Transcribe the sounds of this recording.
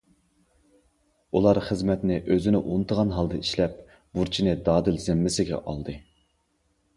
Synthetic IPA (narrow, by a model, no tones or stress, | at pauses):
ulˠɑɾχəzmɛt̪nɪʔøzɪnɪʔunɨt̪ʰəʁɑnɦɑlˠd̪ɨiʃlɛp̚ | buɾt͡ʃʰinɪd̪ɑːd̪ɨlzɪmːɪsɪɡʲɛ̰ʔɑ̰lˠd̪ɨ